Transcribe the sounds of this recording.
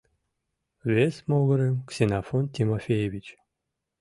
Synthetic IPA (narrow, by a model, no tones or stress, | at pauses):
vesmoɣəɾemksʲenafont̪ʲimofʲejevit͡ʃ